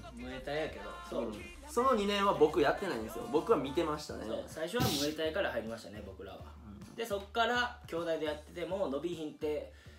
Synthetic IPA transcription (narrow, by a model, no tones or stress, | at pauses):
mɯ̟e̞t̪aijake̞d̪o̞̰so̰ː | so̞no̞ɲ̟inẽ̞ɰ̃βabo̞kɯ̟jat̪ːe̞naĩnesɨjo̞̰bo̞kɯ̟βamʲit̪e̞maɕi̥t̪a̰nseo̞̰ːsaiɕo̞βamɯ̟e̞t̪aikaɾahaiɾʲimaɕi̥t̪ane̞bo̞kɯ̟ɾa̰βa̰ | d̪̥e̞so̞kːaɾakʲo̞ːd̪aid̪e̞jat̪ːe̞t̪e̞mo̞ːno̞bʲiçĩnt̪e̞